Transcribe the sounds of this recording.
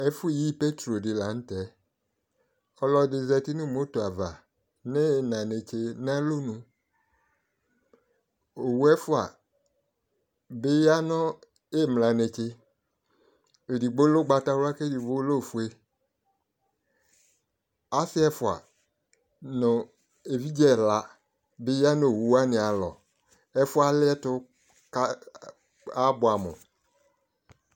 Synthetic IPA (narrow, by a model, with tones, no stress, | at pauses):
e˦fu˦˨ji˦pe˦t̪ɾo˨dɪ˨la˨ñ̩˦tɛ˨˦ | ɔ˦lɔ˦dɪ˨zɛ˨t̪i˦nũ˦˨mo˦to˨a˨va˨ | ne˦˨nã˨ne˨t͡ʃe˦nã˦lo˦nũ˦ | o˨wu˦ɛ˦fu˦a̰˨ | be˦ja˦nɔ̃˦ | e˦˨mlã˨ne˨t͡ʃe˦ | e˨di˨ɡ͡bo˦lo˦ɡ͡ba˨ta˦wa˦ke˦di˨ɡ͡bo˦lo˦˨fu˨e˦ | a˦sɪ˦ɛ˦fʊ˨a̰˨ | nʊ˨ | e˨vi˦d͡ʒɛ˦˨la˨ | bɪ˦ja˦nʊ̃˦o˨wu˨˦a˦nɪ̃˨a˨lɔ̰˨ | ɛ˦fʊ˦a˦lɪ˦ɛ˦tʊ˦ | k | a˦bʊ˨a˨mʊ̰̃˨